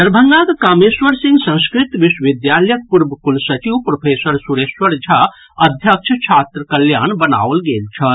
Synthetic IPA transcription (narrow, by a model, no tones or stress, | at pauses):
d̪ɐɾbʱəŋɡaːd̪kaːmesʋəɾsiŋɡsə̃skɾit̪ʋiswʋid̪jaːljək̚puɾbəkulsɐt͡ʃiwpɾopʰeːsəɾsuɾesʋəɾd͡ʒʱa | ɐd̪ʱjək̚t͡ʃʰət͡ʃʰaːt̪ɾəkɐljaːnbəna̰ːʋlɡeːlt͡ʃʰɐt̪